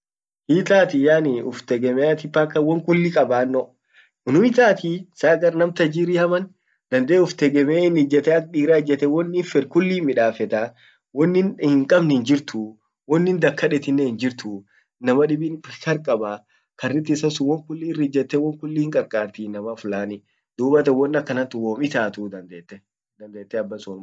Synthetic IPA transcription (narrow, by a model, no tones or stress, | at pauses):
hit̪aːt̪ɪjaːnɪʊft̪ɛɡɛmɛat̪ɪpːakːɐwɔŋkʊlːikʼɐbaːnːɔ | ɪnʊɪt̪aːt̪isaːɡɐɾnɐmt̪ɐd͡ʒiːɾɪhɐmɐn | d̪ɐnd̪eːʊft̪ɛɡɛmɛɪnɪd͡ʒɛt̪ɛɐk̚ᶑiːɾaːɪd͡ʒːɛt̪ɛwɔnːɪfɛɾkʊlːiːmɪᶑaːfɛt̪a | wɔnːɪnhɪŋkʼɐbnɪɪnd͡ʒɪɾt̪ʊ | wɔnːɪnd̪ɐkʰːɐᶑɛt̪ɪnːehɪnd͡ʒɪɾt̪ʊ | nɐmɐᶑɪbinkɐɾkʼɐba | kɐrːɪt̪ːɪsɐsʊwɔŋkʊlːiːrɪd͡ʒːɛt̪ːɛwɔŋkʊlːiːŋkʼɐɾkʼaːɾt̪inɐmɐfʊlaːnɪ | d̪̥uːbɐt̪ɛwɔnːɐkːɐnɐt̪ːɪwoːmɪt̪aːt̪ud̪ɐnd̪eːt̪ːɛ | d̪ɐnd̪eːt̪ːɛɐbːɐsunm